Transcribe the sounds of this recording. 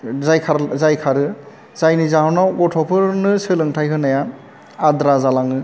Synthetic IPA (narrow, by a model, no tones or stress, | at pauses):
zajkʰaɾzajkʰaɾɯ | z̥ajnizaɦɔnawɡɔtʰɔpʰɯɾnɯsɯlɯŋtʰajkʰɯnaja | adɾazalaŋɯ